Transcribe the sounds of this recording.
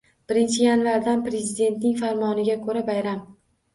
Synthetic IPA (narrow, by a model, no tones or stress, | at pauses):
b̥ɪɾɪnt͡ʃʰɪjanvaɾd̪anpɾe̞zɪd̪e̞nt̪nɪŋʲfaɾmɒnɪɡʲakʰɵɾabajɾam